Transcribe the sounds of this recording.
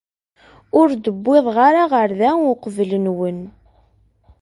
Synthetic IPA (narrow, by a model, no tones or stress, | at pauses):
ʊɾd̪əbːeðˤʁaɾaʁəɾðæʊqəvlənwən